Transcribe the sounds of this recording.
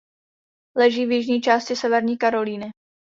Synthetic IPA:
lɛʒiːvjɪʒɲiːt͡ʃaːscɪsɛvɛɾɲiːkaɾo̞liːnɪ

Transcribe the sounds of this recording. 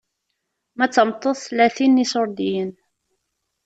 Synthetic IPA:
mæt͡sːəmt̪ˤːoðˤθlæθinːisʊɾˤd̪ijən

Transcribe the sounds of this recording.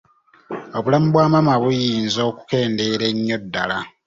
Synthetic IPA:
oβulamuβwaːmamaβujiːnzo̞ːku̥ke̞ːnde̞ɾe̞ɲːo̞dːa̰la

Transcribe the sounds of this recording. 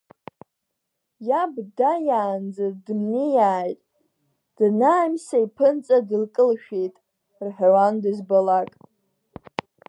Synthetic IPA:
jabdajaːnd͡zɨrdmnijaːjtʼ | d̥ɨnaːmsaipʰɨnt͡sʼadɨlkʼɨlʃᶣejtʼ | rħawandɨzbalakʼ

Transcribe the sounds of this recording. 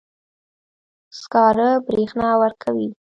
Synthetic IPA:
skɑɾəbɾexnɑwəɾkʰawi

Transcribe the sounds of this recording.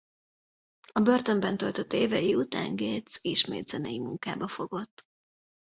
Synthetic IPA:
ɒbø̞rt̪ø̞mbɛnt̪ølt̪øt̪ːeːvɛjiut̪a̰ːŋɡeːt̪siʃmḛːd̪z̥ɛnɛjimuŋka̰ːbɒfo̞ɡo̞t̪ː

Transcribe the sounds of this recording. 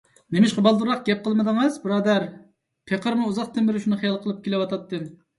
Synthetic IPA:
nemɪʃqəbɑlˠd̪uɾɑq̚ɡʲɛp̚qʰəlˠmɨd̪ɨŋɨzbɨɾɑːd̪æɾ | pʰeqʰəɾmɨuzɑqt̪ʰɪmːɪɾɪʃunɨχijɑlˠqʰəlˠɨp̚kʲʰelɪwɑt̪ɑt̪ːɨ

